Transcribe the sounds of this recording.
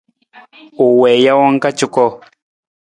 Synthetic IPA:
ʊ˨wɛ˨ja˦wa˦ŋ˦ka˦t͡ʃʊ˦kɔ˦

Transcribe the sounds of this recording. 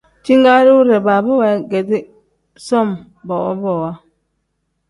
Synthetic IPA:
t͡ʃi˦ŋɡa˦ɾi˦u˦ɾɛ˨ba˨bɔ˦wa˨˦ɡɛ˨di˦ | sɔ˦˨m | bɔ˨ɔ̰˦bɔ˨wa˦

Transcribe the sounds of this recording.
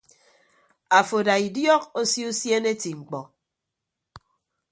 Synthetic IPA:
a˨fo˨da˨i˨djɔ˦k̚o˦si˦u˦sje˦ne˦ti˨ŋ͡m̩˨k͡pɔ˨

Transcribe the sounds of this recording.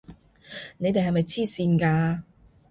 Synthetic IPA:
ne˨˧jt̪e˨jɦɐ˨jmɐ˨jt͡sʰiː˥siː˧nkaː˧

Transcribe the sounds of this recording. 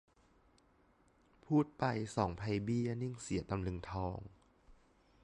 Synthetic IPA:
pʰuː˥˩t̪̚pa˧jsɔː˩˦ŋpʰa˧jbi˥˩˨nɯ˥˩ŋsi˩˦ɐt̪a˧mlɯ˧ŋt̪ʰɔː˧ŋ

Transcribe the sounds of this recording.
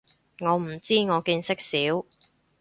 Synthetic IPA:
ŋɔː˨˧m̩˨˩t͡siː˥ŋɔː˨˧kiː˧nsɪ˥k̚siː˨˥w

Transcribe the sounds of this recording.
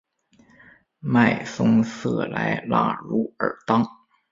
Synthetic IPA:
ma˥˩ɪfɤ˥ŋsɤ˥˩la˧˥ɪla̰˥˩ɻu˧˥ə̰˞˨˩t̪ɑ˥ŋ

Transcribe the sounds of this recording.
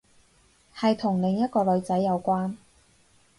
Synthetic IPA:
hɐ˨jt̪ʰʊ˨˩ŋlɪ˨˧ŋjɐ˥t̚kɔː˧lɵ˨˧˥t͡sɐ˨˥jːɐ˨˧wkʷaː˥n

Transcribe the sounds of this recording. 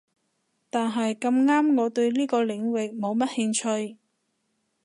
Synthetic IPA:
t̪aː˨nɦɐ˨jkɐ˧mŋaː˥mŋɔː˨˧t̪ɵ˧ɥliː˥kɔː˧lɪ˨˧ŋwɪ˨k̚mo˨˧wmɐ˥t̚hɪ˧ŋt͡ʃʰɵ˧ɥ

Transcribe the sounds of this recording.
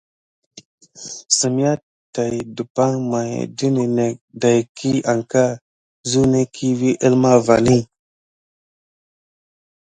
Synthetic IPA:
sə˨m˦ja˦ | ta˨jdu˨pa˦ŋma˨j̰də˦ni˨ne˨k̚da˨jkʰi˦a˨ŋka˦ | zu˦ne˦kʰi˦vi˦ʔə˦lma˦va˨ni˦

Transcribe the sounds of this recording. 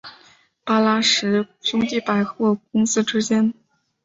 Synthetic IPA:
pa˥la˥ʂɻ̩˧˥ɕʊ˥ŋt̪i˥˩pa˨˩ɪxwɔ˥˩k̚ʊ˥ŋsɹ̩˥ʈ͡ʂɻ̩˥t͡ɕjɛ˥n

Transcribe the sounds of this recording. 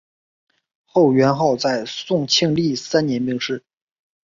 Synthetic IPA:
xo˥˩ʊɥɛ˧˥nxo˥˧ʊt͡sa˥˧ɪsʊ˥˧ŋt͡ɕʰi˥˧ŋli˥˩sa˥nnjɛ˧˥npi˥˧ŋʂɻ̩˥˩

